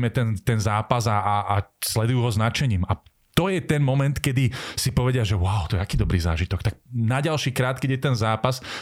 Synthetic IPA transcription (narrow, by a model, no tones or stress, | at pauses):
mɛt̪ɛnt̪ɛnzaːpazaaaslɛd̪ujuːɦɔznat͡ʃɛɲiːma | t̪ɔjɛt̪ɛnmɔmɛnt̪kɛd̪isipɔʋɛɟɪaʒɛwʊaʊt̪ɔɛt̪akiːd̪ɔbɾiːza̰ːʒit̪ɔkt̪ak̚naɟalʃiːkɾaːt̪kɛɟjɛt̪ɛnzaːpas